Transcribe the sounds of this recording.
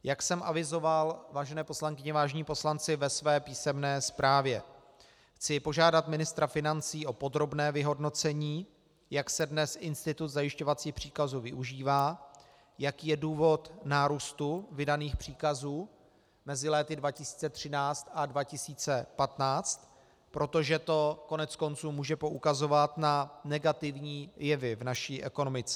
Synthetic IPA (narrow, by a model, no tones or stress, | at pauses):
jaksɛmʔa̰vɪzo̞valvaːʒɛnɛːpo̞slaŋkɪɲɛvaːʒɛɲiːpo̞slant͡sɪvɛsvɛːpiːsɛmnɛːspɾaːvjɛ | xt͡sɪpo̞ʒaːdat̪mɪnɪst̪ɾafɪnant͡siːʔo̞po̞d̪ɾo̞bnɛːvɪɦo̞dno̞t͡sɛɲiː | jaksɛdnɛsʔɪnst̪ɪt̪ut̪zajɪʃco̞vat͡siːxpr̝̥iːkazuːvɪʔuʒiːvaː | jakiːjɛduːvo̞t̪naːɾuːst̪uvɪdaniːxpr̥iːkazuː | mɛzɪlɛːt̪ɪdvacɪsi̥ːt͡sɛt̪r̝̥ɪnaːt͡st̪advacɪsiːt͡sɛpat̪naːt͡st̪ | pɾʔo̞t̪o̞ʒɛt̪o̞ko̞nɛt͡sko̞nt͡suːmuːʒɛpo̞ʔukazo̞vat̪nanɛɡat̪ɪvɲiːjɛvɪvnaʃiːʔɛko̞no̞mɪt͡sɛ